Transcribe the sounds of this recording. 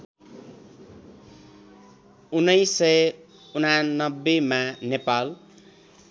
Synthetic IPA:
unːʌjsːʌj | unanːʌbːemanepal

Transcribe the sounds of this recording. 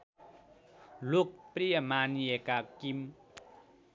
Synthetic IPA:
luk̚pɾiəmaːnekakːim

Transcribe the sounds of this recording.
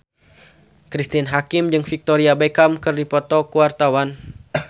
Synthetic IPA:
kɾist̪inɦakimd͡ʒɨŋfik̚t̪oɾiabekamkɨrdipɔt̪ɔkuwart̪awan

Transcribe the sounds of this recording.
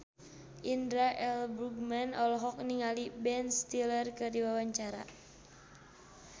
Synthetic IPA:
ʔindɾaʔɛlbɾuɡ̚manɔlɔɦɔk̚niŋalibɛnst̪ilərkɨrdiwawaɲt͡ʃaɾa̰

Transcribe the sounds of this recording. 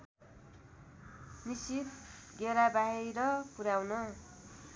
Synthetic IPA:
nisit̪ɡeɾabaɦiɾʌpuɾawnʌ

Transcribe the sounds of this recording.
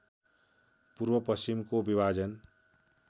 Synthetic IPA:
puɾbʌpʌst͡ʃimkobibʱad͡ʒʌn

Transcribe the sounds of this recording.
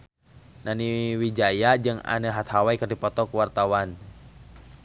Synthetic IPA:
naniwid͡ʒajad͡ʒɨŋa̰nəɦat̪hawaikərdipɔt̪ɔkuwart̪awan

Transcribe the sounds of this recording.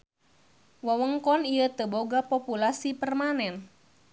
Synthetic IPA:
wawəŋkɔnijət̪əboɡapopulasipərmanɛn

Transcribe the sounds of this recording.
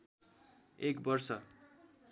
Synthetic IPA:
ekbʌrsʌ

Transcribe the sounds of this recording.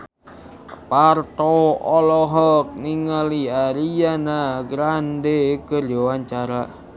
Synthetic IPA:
part̪ɔɔlɔɦɔk̚niŋaliaɾijanaɡɾandekərd͡ʒɔwaɲt͡ʃaɾa

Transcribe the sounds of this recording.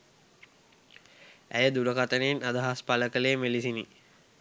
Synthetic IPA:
æ̰jəd̪uɾəkat̪ənenad̪əɦaspaləkəleːmelisini

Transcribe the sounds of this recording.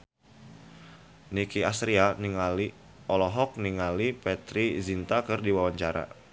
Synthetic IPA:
nikiast̪ɾianiŋali | ɔlɔɦɔk̚niŋalipɛt̪ɾizint̪akɨrdiwawaɲt͡ʃaɾa̰

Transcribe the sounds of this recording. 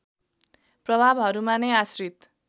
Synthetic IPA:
prʌbʱabɦʌɾumanʌjasrit̪

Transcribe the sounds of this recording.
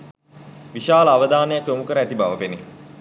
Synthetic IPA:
ʋiʃaːləaʋəd̪aːnəjakomukəɾəæt̪ibaʋəpeni

